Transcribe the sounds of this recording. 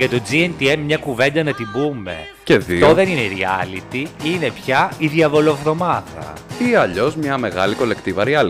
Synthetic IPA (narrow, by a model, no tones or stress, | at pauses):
ʝɐt̪o̞d͡zient̪iemːɲɐkuve̞nd̪ɐnɐt̪ibume̞̰ | ce̞ðioðe̞nineɾiɐlit̪iine̞pçɐiðiɐvo̞lofɾo̞mɐðɐ̰ | iɐʎo̞zmɲɐme̞ɣɐliko̞le̞kt̪ivɐɾiɐl